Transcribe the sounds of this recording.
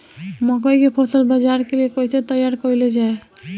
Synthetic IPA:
mɔkɔjkepʰosəlbad͡ʒaɾkeliekojset̪əjaɾkɔiled͡ʒaːe

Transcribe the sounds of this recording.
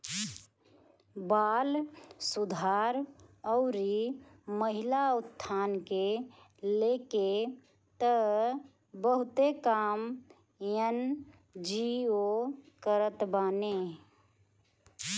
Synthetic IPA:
baːlsʊd̪ʱaːɾɔʊɾiməɦɪlaʊt̪ʰːaːnke | leːke | t̪ə | bəɦʊt̪ekaːm | jən | d͡ʒiokəɾət̪baːne

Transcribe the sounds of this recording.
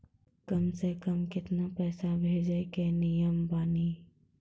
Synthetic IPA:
kəmsekəmkɪt̪napɛːsabʱeːd͡ʒəkenɪjəmbaːniː

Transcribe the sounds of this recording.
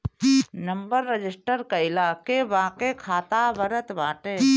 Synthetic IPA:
nəmbəɾːəd͡ʒɪsʈəɾkaɪlaːkeʋaːkekʰaːt̪aːʋəɾət̪ʋãːʈe

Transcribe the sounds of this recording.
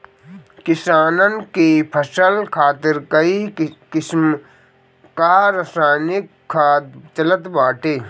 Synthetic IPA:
kɪsaːnənkipʰəsəlkʰaːt̪ɪɾkɐikɪsm | kaɾəsaːnɪkʰːaːt̪t͡ʃələt̪baːʈeː

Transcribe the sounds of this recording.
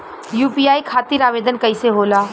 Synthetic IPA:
juːpijaːikʰaːt̪iɾaːʋeːd̪ənkɐiseɦoːlaː

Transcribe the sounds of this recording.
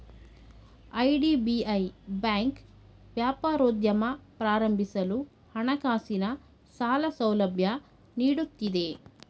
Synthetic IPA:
ɐjɖiːbiɐjbaːŋk | ʋjaːpaːɾoːd̪jɐmɐpɾaːɾɐmbʱisɐlu | hɐɳɐkaːsinɐ | saːlɐsɐwlɐbʱjɐ | niːɽut̪ːid̪e

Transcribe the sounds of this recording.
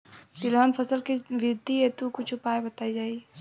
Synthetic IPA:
t̪ilɦənpʰəsəlkiʋɾɪd̪ʱːiet̪ukʊt͡ʃʰupaːebət̪aːid͡ʒaːi

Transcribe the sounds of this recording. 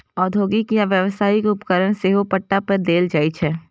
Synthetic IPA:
ɔːd̪ʱoːɡikijaʋjəʋsaːikʊpkəɾəñseːɦopəʈːapəɾd̪eːld͡ʒaːit͡ʃʰɛː

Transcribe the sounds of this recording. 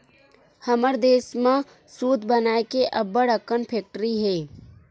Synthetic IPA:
həməɾd̪eːsmã | suːd̪ʱbənaːekeʔɐbːəɽəkənpʰeːk̚ʈɾiɦeː

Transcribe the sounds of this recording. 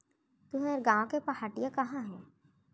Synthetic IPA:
t̪uɦɛeɾɡãːõkepɐhaːʈijãkɐɦãɦɛ̃ː

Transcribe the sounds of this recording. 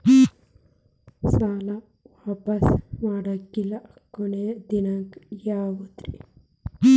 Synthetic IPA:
saːla | ʋaːpɐsmaːɽɐkːilakoned̪inɐŋkjaːwut̪ɾḭ

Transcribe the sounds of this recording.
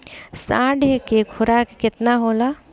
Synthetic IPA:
sãːɖʱekekʰʊɾakkɪt̪naɦoːla

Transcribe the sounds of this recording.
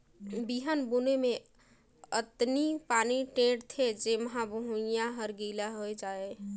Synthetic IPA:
biːɦənbunemẽ | ət̪nipaːniʈeːɖt̪ʰed͡ʒeməɦãbəɦũjaɦəɾɡiːlaɦoed͡ʒaːe

